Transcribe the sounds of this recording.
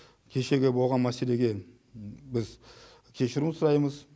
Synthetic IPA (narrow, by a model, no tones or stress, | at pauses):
kʲʰe̞ʃe̞ɡʲe̞bo̞lˠʁɑnmæse̞le̞ɡʲe̞ | bɪz | kʲʰe̞ʃɪɾunsʊɾɑjməz